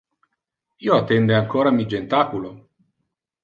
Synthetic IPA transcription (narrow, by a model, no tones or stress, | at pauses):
iːoat̪ːɛnd̪eaŋkoːɾamid͡ʒent̪aːkulo